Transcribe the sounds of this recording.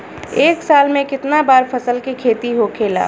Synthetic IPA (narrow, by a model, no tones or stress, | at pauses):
eːksalmẽkɪt̪nabaːɾpʰəsəlkekʰeːt̪iɦokʰela̰